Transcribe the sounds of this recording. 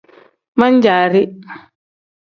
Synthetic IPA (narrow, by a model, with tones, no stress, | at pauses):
ma˦ɲd͡ʒaː˨ɾi˦